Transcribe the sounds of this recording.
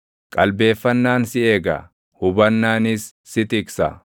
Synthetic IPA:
kʼɐlbe̞ːfːɐnːaːnsɪeːɡɐ̰ | hʊbɐnːaːnɪsː | ɪt̪ɪksɐ̰

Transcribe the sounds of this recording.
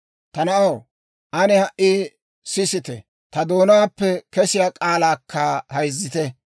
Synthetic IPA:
t̪ɐnɐʔɐw | ʔɐnɛhɐʔːiː | sɪsɪt̪ɛ̰ | t̪ɐd̪oːnaːpːɛkɛsɪjaːkʼaːlaːkʰːaːhɐjzːɪt̪ɛ

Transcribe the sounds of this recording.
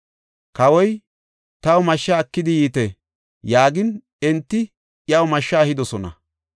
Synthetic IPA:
kɐwɔj | t̪ɐwʊmɐʃːɐɐkːɪd̪ɪjiːt̪ɛ | jaːɡɪn | ɛnt̪ːɪ | ʔjɐwmɐʃːɐːhɪd̪ɔsɔnɐ̰

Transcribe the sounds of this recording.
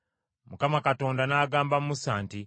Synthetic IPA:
mukamakato̞ːndanaɡaːmbammusaːnti

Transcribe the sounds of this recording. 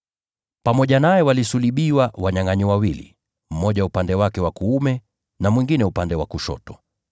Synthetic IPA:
pamɔʄanajɛwalisuliɓiwawaɲaŋaɲiwawilḭ | m̩mɔʄaupandɛwakɛwakuumɛ | namwiŋɡinɛupandɛwakuʃɔ̰tɔ

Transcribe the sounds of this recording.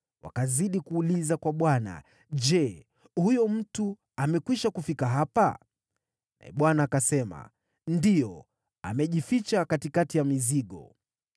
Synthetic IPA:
wʔa̰kaziɗikuːlizakwaɓwana̰ | ʄɛ | hujɔm̩tu | amɛkwiʃakufikaɦapa | na̰ɛ̰ɓwanaːkasɛma̰ | ndijɔ | a̰mɛʄifit͡ʃakatikatijamiziɠɔ̰

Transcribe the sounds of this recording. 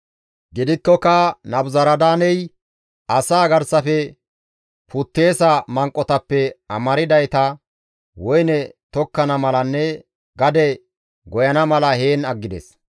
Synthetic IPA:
ɡɪd̪ɪkːɔkɐnɐbzɐɾɐd̪aːnɛj | ɐsaːɡɐɾsɐfɛ | put̪ːe̞ːsɐmɐŋkʼːɔt̪ɐpːɛɐmɐɾɪd̪ɐjt̪ɐ | wɔjnɛt̪ɔkːɐnɐmɐlɐnːɛ | ɡɐd̪ɛ | ɡɔjɐnɐmɐlɐhe̞ːnɐɡːɪd̪ɛ̰s

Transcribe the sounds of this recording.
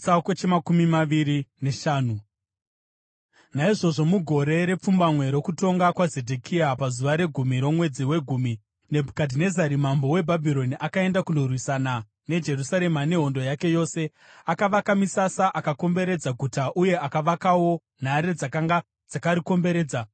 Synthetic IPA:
aket͡ʃemakumimaʋiɾineʃaːnu | naiʐo̞ʐo̞muɡʱo̞ɾe̞ɾe̞p͡fumbamwe̞ɾo̞kuto̞ŋɡakwazedʱekʰiapazuʋaɾe̞ɡʱumiɾo̞mwe̞d͡ziwe̞ɡʱuːmi | ne̞bʱukadʱine̞zaɾimambo̞we̞bʱabʱiɾo̞niʔakae̞ndakundorwisana | ne̞d͡ʒe̞rusaɾe̞mane̞ɦo̞ndo̞jake̞jo̞ːse̞ | akaʋakamisasaʔakako̞mbe̞ɾe̞d͡zaɡʱutaʔuje̞akaʋakawo̞ | n̤aɾed͡zakaŋɡa | d͡zakaɾiko̞mbe̞ɾe̞ːd͡za

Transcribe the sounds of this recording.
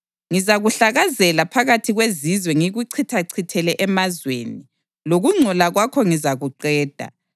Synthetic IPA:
ŋizaɣuɬaɣazɛlapʰaɣatʰiɣwezizwɛŋiɣuǀʰitʰaǀʰitʰɛlɛʔɛmazwḛːni | loɣuŋ͡ǀʱɔlaɣwakʰɔŋizaɣuǃɛːd̥ʱa̰

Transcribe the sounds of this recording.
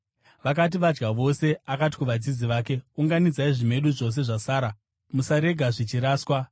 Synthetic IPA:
ʋak̬at̬iʋad͡ʒɡaʋo̞se̞akati̥kuʋad͡zid͡ziʋaːke̞uŋɡanid͡zaiʐime̞ɗuʐo̞s̬e̞ʐasaːɾa | musaɾe̞ɡʱaʐit͡ʃiɾaːswa

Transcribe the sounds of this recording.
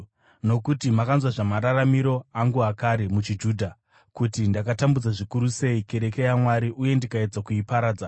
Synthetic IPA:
no̞kutimakanzwaʐamaɾaramiɾo̞aŋɡuɦakaɾemut͡ʃid͡ʒuːdʱa | kutindakatambud͡zaʐikuɾuse̞ike̞ɾe̞ke̞jamwaɾiʔuje̞ndikae̞d͡zakuipaɾaːd͡za

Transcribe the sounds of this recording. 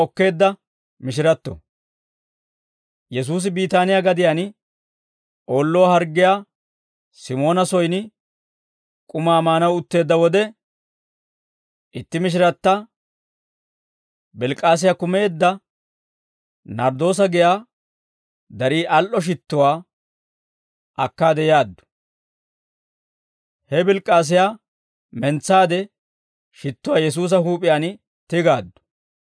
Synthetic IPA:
ɔkːe̞ːd̪ːɐ | mɪʃ̬ɪɾɐt̪ːɔ̰ | jɛs̬uːs̬ɪbiːt̪aːnɪjaɡɐd̪ɪjaːn | ʔo̞ːlːɔwahɐɾɡːɪjaː | sɪmo̞ːnɐsɔjnɪ | kʼʊmaːmaːnɐwʊt̪ːe̞ːd̪ːɐwɔd̪ɛ | ʔɪt̪ːɪmɪʃ̬ɪɾɐt̪ːɐ | bɪlkʼːaːs̬ɪjaːkʊme̞ːd̪ːɐ | nɐɾd̪o̞ːs̬ɐɡɪjaː | d̪ɐɾiːʔɐlʔɔʃ̬ɪt̪ːʊwaː | ɐkːaːd̪ɛjaːd̪ːʊ̥ | hɛbɪlkʼːaːs̬ɪjaː | mɛnt͡sːaːd̪ɛ | ʃɪt̪ːʊwaːjɛs̬uːs̬ɐhuːpʼɪjaːn | t̪ɪɡaːd̪ːʊ̥

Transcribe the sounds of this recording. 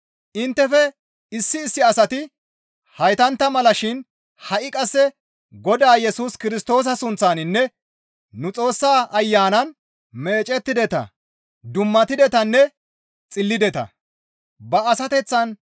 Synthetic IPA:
ʔɪnt̪ːɛfɛ | ɪsːɪːsːɪɐsɐt̪ɪ | hɐjt̪ɐnt̪ːɐmɐlɐʃɪn | hɐʔɪkʼɐsːɛ | ɡɔd̪aːjɛsuːskɪɾɪst̪o̞ːs̬ɐsʊnt͡sːaːnɪnːɛ | nʊt͡sʼo̞ːsːaːʔɐjːaːnɐn | me̞ːt͡ʃʼɛt̪ːɪd̪ɛt̪ɐ̰ | d̪ʊmːɐt̪ɪd̪ɛt̪ɐnːɛ | t͡sʼɪlːɪd̪ɛt̪ɐ̰ | bɐːsɐt̪ɛt͡sːɐn

